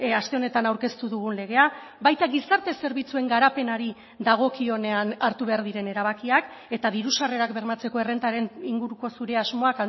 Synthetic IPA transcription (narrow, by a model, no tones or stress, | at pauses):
ast̪e̞o̞ne̞t̪anawɾke̞st̪uðuɣ̞unle̞ɣ̞e̞a | bajt̪aɣisaɾt̪e̞se̞ɾβ̞it͡sue̞ŋɡaɾape̞naɾi | ðaɣ̞o̞kio̞ne̞anaɾt̪uβe̞aɾðiɾe̞ne̞ɾaβ̞akiak | e̞t̪aðiɾusare̞ɾakbe̞ɾmat͡se̞ko̞e̞re̞nt̪aɾe̞niŋɡuɾuko̞suɾe̞azmo̞aka